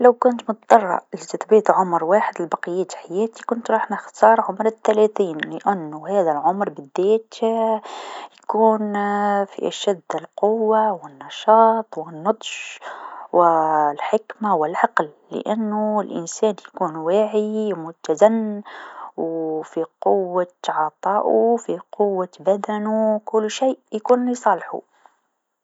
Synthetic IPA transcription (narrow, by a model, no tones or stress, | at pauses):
lawkʊnt̪mʊt̪d̪ˤɑrˤːɑ̰ʔɪlit̪ɪt̪biːt̪ˤʕʊmɾwaːħɪd̪ɪlbɑqəjːæːt̪ħajæːt̪ikʊnt̪ɾˤɑːħnɪxt̪ɑːɾˤʕʊmɾɪt̪ːalæːθiːnlɪʔanːuhæːðælʕʊmɾbɪd̪ːæːt̪ | jkuːnfḭʔaʃæd̪ːɪlqʊwːawɪnːɑʃɑːt̪ˤwɪnːɑd̪ˤʃ | wɪlħɪkmawɪlʕɑqlːɪ̰ʔanːuɪlʔɪ̰nsæːnjakuːnwaːʕimʊt̪ːazanːwfiqʊwːat̪ʕɑt̪ˤɑːʔufiqʊwːabad̪anukʊlːʃiːʔjkuːnisˤɑlħṵ